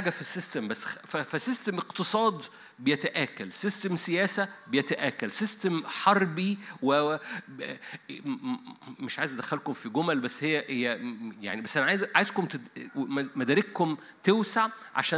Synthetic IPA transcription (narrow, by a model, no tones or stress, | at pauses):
aɡæfisːist̪æmbæsːfæfæsist̪æmeqt̪ɨsˤɑːd̪ˤ | bejæt̪æʔæːkælsist̪æmsejæːsæbejæt̪æʔæːkælsist̪æmħɑɾˤbiwe | meʃʕaːjezd̪æxælkomfiɡomælbæsːhejːæhejːæja̰ʕnibæsːʔænæʕaːjzʕajezkomt̪emmæd̪æːɾekhom | t̪ewsaʕʕa̰ʃæː